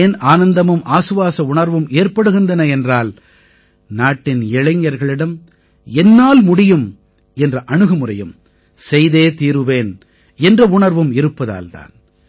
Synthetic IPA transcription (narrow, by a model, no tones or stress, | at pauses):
naːnɐnd̪ɐmɯmʔaːsɯʋaːsɐʊɳɐɾʋɯmeːɾpɐɽɯɣɪnd̪ɐnɐɛndraːl | naːʈːɪnɛɭɐɲːɐɾɣɐɭɪɽɐm | ɛnːaːlmʊɽɪjɯm | ɛndrɐʔɐɳɯɣɯmʊrɐjɯm | sɛjðeːt̪iːɾɯʋeːn | ɛndrɐʊɳɐɾʋɯmɪɾɯpːɐða̰ːlt̪a̰ːn